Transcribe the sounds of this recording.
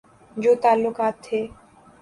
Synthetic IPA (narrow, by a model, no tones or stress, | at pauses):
d͡ʑot̪alːokat̪ʰe